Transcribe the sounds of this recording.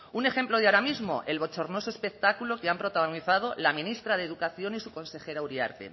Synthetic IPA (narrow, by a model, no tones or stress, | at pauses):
une̞xe̞mplo̞ð̞eaɾamizmo̞̰ʔe̞lβot͡ʃoɾno̞soe̞spek̚t̪akulo̞keampɾo̞t̪aɣ̞oniθað̞o̞lamĩnist̪ɾaðe̞ðukaθjo̞nisuko̞nse̞xe̞ɾauɾia̰ɾt̪ḛ